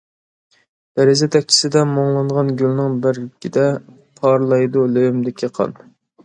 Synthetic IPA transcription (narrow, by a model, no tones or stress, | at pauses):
d̪̥ɛɾɪzɛt̪ʰɛk̚ʲt͡ʃʰi̥sɪd̪ɛmoŋlˠɑɴʁɑnɡʲylnɪŋbɪɾlɪkʲid̪ɛ | pʰɑɾlˠɑjd̪ulojymd̪ɪkʲʰiqʰɑ̰n